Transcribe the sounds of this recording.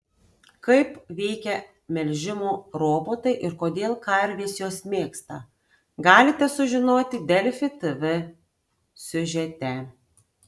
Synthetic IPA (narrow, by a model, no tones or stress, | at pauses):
kɐɪpʋʲɛɪkʲɛ | mʲɛlʲʒʲɪmoːɾoːboːt̪ɐɪʔɪɾkoːd̪ʲeːlˠkɐɾʲʋʲeːsjoːsmʲeːkst̪ɐ | ɡɑːlʲɪt̪ʲɛsʊʒʲɪnoːt̪ʲɪd̪ʲɛlʲfʲɪt̪ɨʋʲɨ | sʲʊʒʲɛt̪ʲɛ